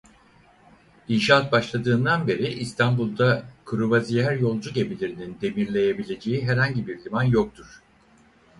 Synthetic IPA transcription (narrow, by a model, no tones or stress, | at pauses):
inʃaːt̪̚baʃlˠad̪ɯːnd̪anbe̞ɾiʔist̪ʰanbulˠd̪akʰɯɾuβazijæɾjo̞lˠd͡ʒuɟe̞bilʲiɾinind̪e̞miɾlʲe̞jebilʲe̞d͡ʒe̞jiɦæɾhaɲɟibiɾlʲimanjok̚t̪ʰuɾ̥